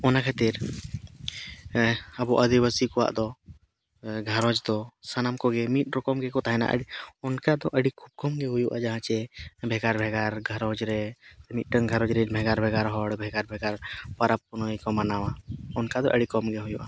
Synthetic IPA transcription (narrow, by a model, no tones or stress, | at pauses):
ɔnakʰat̪iɾ | əbɔʔəd̪iwəsikɔwa̰ʔd̪ɔ | ɡʱaɾɔd͡ʒd̪ɔsanamkɔɡɛmit̪̚ɾɔkɔmɡɛkɔt̪aɦɛna̰ʔə̰ɖiɔnkad̪ɔʔəɽikʰub̚kɔmɡɛɦujuʔad͡ʒaɦãt͡ʃɛbʱɛɡaɾbʱɛɡaɾɡʱəɾɔd͡ʒɾɛmit̪̚ˀʈəŋɡʱaɾɔd͡ʒɾɛbʱɛɡaɾbʱɛɡaɾɦɔɽbʱɛɡaɾbʱɛɡaɾpaɾappunoikɔmanawaɔnkad̪ɔʔəɽikɔmɡɛɦujuʔa